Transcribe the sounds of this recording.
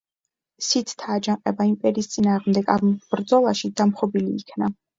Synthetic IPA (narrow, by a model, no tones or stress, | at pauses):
sit̪ʰt̪ʰaːd͡ʒaŋqʼɛbaimpʼɛɾiːst̪sʼinaːʁmd̪ɛɡambɾd̪zɔlˠaʃid̪amχɔbiliːkʰna